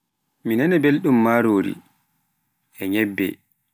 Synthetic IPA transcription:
minɛnɛbelɗumːaːɾoːɾḭ | ɛɲɛbːɛ̰

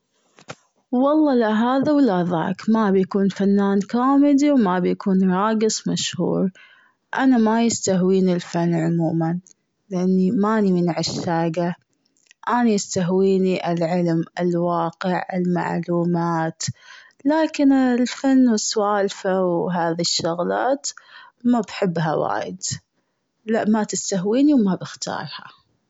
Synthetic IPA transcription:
wɑlˤːɑːlaɦaːðawlːaʔða̰ːkmabjakuːnfanːaːnkaːmɪd̪iwmabjakuːnɾˤɑːɡɨsˤmaʃhṵːɾ | ʔanamajɪst̪aɦwiːnɪlfanːʕʊmuːman | lɪʔanːimaːnimɪnʕɪʃːaːɡa | ʔaːnajɪst̪aɦwiːniʔɪlʕɪlmɪ̰lwaːqɪʕɪ̰lma̰ʕluːmaːt̪ | laːkɪnɪlfanːwɪswaːlfawɦaːðiʃːʊɣla̰ːt̪mabħɪbːɦawa̰ːjɪd̪ | laʔmat̪ɪst̪aɦwiːniwmabɪxt̪ʰɑ̰ːɾˤha̰

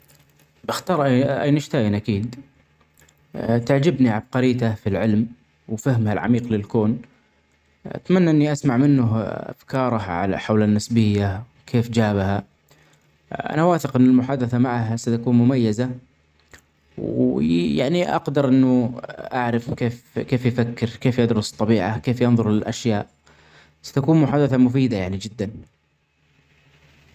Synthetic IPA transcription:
bɪxt̪ɑːɾˤʔaʔa̰jnɪʃt̪aːjanʔakiːd̪ | t̪ɪʕd͡ʒɪbniʕab̚qɑɾiːt̪afilʕɪlm | wfahmhalʕa̰miːqlɪlkoːn | ʔa̰t̪manːaʔɪnːiʔasmaʕmɪnːʊɦʔa̰fkɑːɾˤɑhʕa̰la̰ħawlanːɪsbɪjːawkʰeːfd͡ʒaːbha | ʔa̰nawaːθɪqʔɪnːɪlmʊħaːd̪aθamaʕaɦasat̪akuːnmʊmajːaza | wja̰ʕniʔɑ̰qd̪ɑɾˤʔɪnːʊʔaʕɾɪfkeːfkeːfjfakːɪɾkeːfjɪd̪ɾʊst̪ˤːɑbiːʕakeːfjɪnðˤʊɾlɪlʔaʃjaːʔ | sḁt̪akuːnmʊħaːd̪aθamʊfiːd̪ajaʕnid͡ʒɪd̪ːan

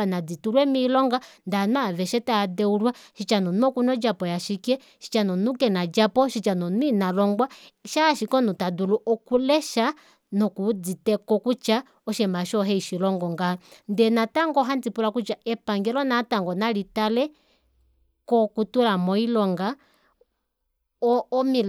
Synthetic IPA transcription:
anad͡zituɾwɛmilɔŋɡandanavɛʃɛtadɛulwaʃit͡ʃanɔnɔkunɔd͡ʒapɔjaʃikiɛ | ʃi̥t͡ʃanɔnukɛnad͡ʒapɔʃit͡ʃanɔnwinalɔŋɡwaʃaʃikɔnutaduluʔɔkulɛʃa | nɔkud͡zitɛkɔkut͡ʃa | ɔʃɛmaʃɔɦɛiʃilɔŋɡɔŋɡandɛnataŋɡɔɦand͡zipulakut͡ʃaɛpaŋɡɛlɔnataŋɡɔnalitalɛ | kɔkutulamɔilɔŋɡa | ɔːmil

